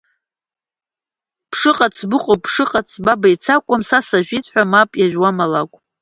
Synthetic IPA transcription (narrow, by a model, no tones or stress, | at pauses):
pʰʂɨqʼat͡sʰbɨqʼopʰʂɨqʼat͡sʰbabajt͡sʰakʷʼamsasaʒᶣitʰʼħʷᶣamapʼjaʒᶣwamalakʷʼ